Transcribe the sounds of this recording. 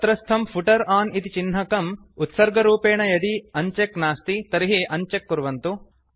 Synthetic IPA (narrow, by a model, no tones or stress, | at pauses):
t̪ɾɐst̪ʰɐmpʰuʈɐɾaːnit̪it͡ʃinɦɐkɐm | ut̪sɐɾɡɐɾuːpeːɳɐjɐd̪iɐɲt͡ʃeknaːst̪it̪ɐɾiɦeːʔɐɲt͡ʃekːuɾʋɐnt̪u